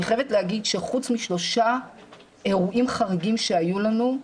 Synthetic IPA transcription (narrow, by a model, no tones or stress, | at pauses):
iχevetlehaɡidʃeχut͡smiʃlo̞ʃa | e̞ʁuʔimχaʁiɡimʃe̞ajulanu